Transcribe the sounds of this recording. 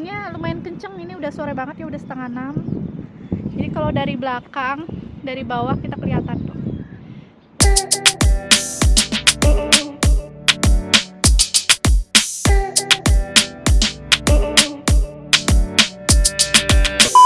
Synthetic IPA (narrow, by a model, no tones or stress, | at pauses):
ɲaləmaɪnkəɲt͡ʃəŋiniudahsoɾɛbaŋət̪jaudahsə̥t̪əŋanam | d͡ʒadikalawdaɾibəlakaŋdaɾibawahkit̪akəliɦat̪ant̪ʊh